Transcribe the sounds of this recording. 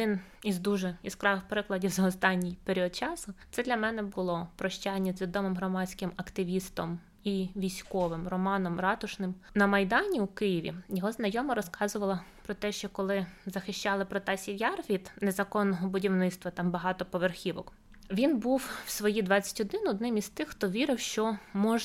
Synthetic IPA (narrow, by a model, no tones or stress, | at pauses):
d̪ɪnizd̪uʒɛiskɾɑʋɪwpɾɪklˠɐdʲiwzɐɔst̪ɑnʲːijpeɾʲiɔd̪̚t͡ʃɑsʊt̪sɛd̪lʲɐmɛnɛbʊlˠɔpɾɔʃt͡ʃɑjnʲːɐzʲʋʲid̪ɔmɪmɦɾɔmɑt͡sʲkɪmɐkt̪ɪʋʲist̪ɔm | iʋʲijsʲkɔʋɪmrɔmɑnɔmrɑt̪ʊʃnɪmnɐmɐjd̪ɑnʲiwkɪjiʋʲḭjɔɦɔznɐjɔmɐɾɔskɑzʊʋɐlˠɐpɾɔt̪ɛʃt͡ʃɔkɔlˠɪzɐxɪʃt͡ʃɑlˠɪpɾɔt̪ɛsʲiwjɑrʋʲid̪nɛzɐkɔnːɔɦɔbʊdʲiwnɪt̪st̪ʋɐt̪ɑmbɐɦɑt̪ɔpɔʋerxʲiʋɔ̰k | ʋʲinbuwwsʋɔjid̪ʋɑt͡sʲːɐ̥tʲɔd̪ɪnʊɔd̪nɪmist̪ɪxxt̪ɔʋʲiɾɪwʃt͡ʃɔmɔʒ